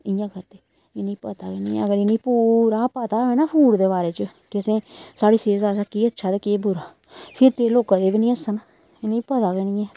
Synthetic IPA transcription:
ɪjãːkʰəɾt̪eː | ɪnĩːpət̪aːɡeniːɛ̰ːəɡəɾɪnĩːpuːɾaːpat̪aːɛːnaːpʰuːɽd̪eːbaːɾeːt͡ʃəkɪsẽːsaːɽiːseːd͡ʒd̪aːsaːkiːətːʃʰaːd̪eːkeːbʊɾaː | pʰɪɾt̪eːloːkãːd̪eːbiːnĩːəsəna | ɪnːĩːpət̪aːɡenĩːɛː

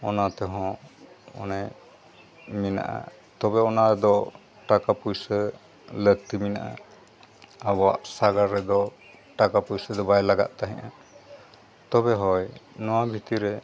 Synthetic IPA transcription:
ɔnat̪ɛɦɔ̃ɔ̰nɛ | mina̰ʔa̰ | t̪ɔbɛɔnaɛd̪ɔ | ʈakapujsə | lək̚t̪imina̰ʔa̰ | abɔa̰ʔsaɡaɾːɛd̪ɔ | ʈakapujsəd̪ɔbajlaɡa̰ʔt̪aɦɛ̃ʔa | t̪ɔbɛɦɔjnɔwabʱit̪iɾɛ

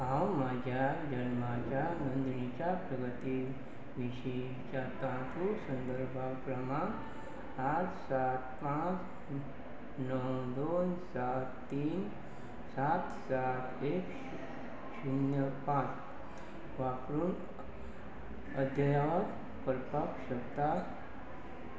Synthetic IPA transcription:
ɦãwmad͡ʑʱjad͡ʑənmat͡ɕanond̪nit͡ɕapɾəɡət̪i | ʋiɕi | t͡ɕat̪ãt̪ʰusənd̪əɾbʱakɾəma | atsat̪̚pãt͡s | nəwd̪onsat̪t̪ːiːn | sat̪sat̪ek | ɕinjəpãt͡s | ʋapɾuːn | əd̪ʱjəjaʋad̪ | pəɾpakɕəkt̪at̪

